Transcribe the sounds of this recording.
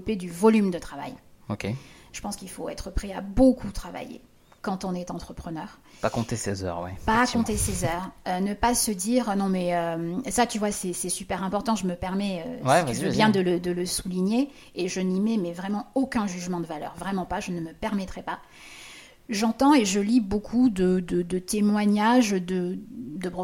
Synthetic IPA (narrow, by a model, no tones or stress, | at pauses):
uped̪yvɔlymd̪ət̪χava̰jokʲeʒ̥ə̥pɑ̃skilfoɛt̪χəpχɛabokʰut̪χava̰jḛ | kɑ̃t̪ɔ̃nɛt̪ɑ̃t̪χəpχənœːʁ | pakɔ̃t̪esɛzœ̰ʁwɛ̰pakɔ̃t̪esɛzœʁønəpasəd̪iʁnɔ̃mɛømsat̪yvwasɛsɛsypɛʁɛ̃pɔʁt̪ɑ̃ʒəməpɛʁmɛøiyvøbjɛ̃d̪ələd̪ələsuliɲeː | ʒənimɛmɛvʁɛmɑ̃okʲɛ̃ʒyʒmɑ̃d̪əvalœ̰ːʁvʁɛmɑ̃paʒənəməpɛʁmɛt̪χɛpa | ʒɑ̃t̪ɑ̃eʒəlibokʰud̪əd̪əd̪ət̪emwaɲaʒd̪əd̪əpʁɔ